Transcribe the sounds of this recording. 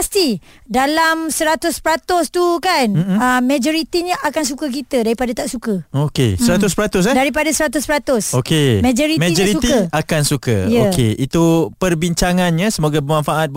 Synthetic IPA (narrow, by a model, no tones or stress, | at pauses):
past̪i | dalamsəɾat̪ʊspəɾat̪ʊst̪ukanm̩əmːẽd͡ʒoɾit̪iɲaʔakans̬ukək̬it̪ədaɾipadat̪aʔsukəokḛssəɾat̪ʊspəɾat̪ʊs̬daɾipadasəɾat̪ʊspəɾat̪ʊsokemẽd͡ʒoɾimed͡ʒoɾisut̪iakansukə̰jəokḛʔit̪upərbiɲt͡ʃaŋanɲãsəmoɡabəmãnfaʔat̪̚